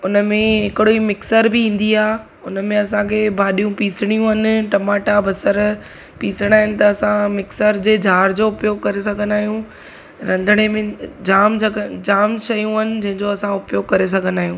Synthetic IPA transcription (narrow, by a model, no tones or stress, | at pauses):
ʊnəmẽɦɪkɪɽoimɪksəɾbiĩːn̆d̪iaː | ʊnəmẽɐsãkʰeːbʱaːɗijũpiːsɪɽ̃ijũɐnɪ̆ʈɐmaːʈabɐsəɾ | piːsəɽ̃aːɦɪnɪ̆t̪ɐːsãmɪksəɾd͡ʑeːd͡ʑʱaːɾd͡ʑoʊpjoːɡ̚kɐɾes̬ɐɡʱənaːɦijũ | ɾɐ̃nd̪ʱəɽ̃emẽd͡ʑaːmd͡ʑɐd͡ʑaːmʃɐjũɐnɪ̆d͡ʑɐ̃ɦɪ̃ɲd͡ʑoɐsãʊpjoːɡkɐɾes̬ɐɡʱənaːɦijũː